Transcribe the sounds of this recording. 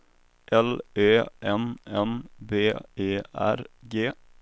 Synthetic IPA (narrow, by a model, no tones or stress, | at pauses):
ʔɛleːʔɛnɛnbeːeːæ̰ɾɡeː